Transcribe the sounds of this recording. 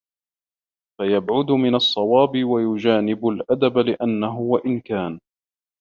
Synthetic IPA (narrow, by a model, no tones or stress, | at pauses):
fajabʕʊd̪ʊmɪnɑsˤːɑwɑːbɪwajʊd͡ʒaːnɪbʊlʔad̪ablɪʔanːaɦʊwaʔɪnkaːn